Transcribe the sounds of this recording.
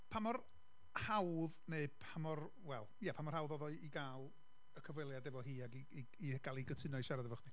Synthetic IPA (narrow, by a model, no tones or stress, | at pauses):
pʰamɔr | hawðneɨpʰamɔr | wɛlˠjɛpʰamɔrhawðɔðɔɨiɡaːlˠ | əkʰəvwɪlˠjadɛvɔɦiːaɡi | i | iɡ̥alˠiɡətʰɪnɔɨʃaɾadɛvɔχdi